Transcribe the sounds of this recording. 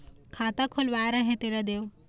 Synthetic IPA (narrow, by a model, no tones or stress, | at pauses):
kʰaːt̪akʰulʋaːɾɐɦẽt̪eɾɐd̪eːw